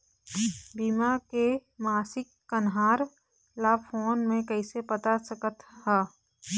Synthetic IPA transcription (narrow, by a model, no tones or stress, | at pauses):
bimakemaːsɪkːənɦaːɾ | lapʰoːnmẽkəɪsepət̪asəkət̪hɛː